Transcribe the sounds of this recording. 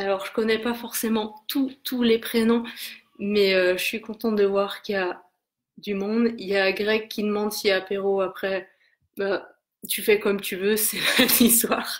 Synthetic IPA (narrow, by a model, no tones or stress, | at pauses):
alɔʁʒəkɔnɛpafɔʁsemɑ̃t̪ut̪ʰulepχenɔ̃ | mɛøʒəsɥikɔ̃t̪ɑ̃t̪d̪əvwaʁkja | d̪ymɔ̃d̪jaɡʁɛkʲːid̪əmɑ̃d̪siapeʁoapχɛ | ba | t̪yfɛkɔmt̪yvøsɛmɛmist̪waːʁ